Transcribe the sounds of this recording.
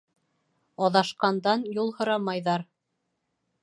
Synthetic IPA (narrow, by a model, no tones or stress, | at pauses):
ɑðɑʃqɑnd̪ɑnjulˠhŏɾɑmɑjðɑɾ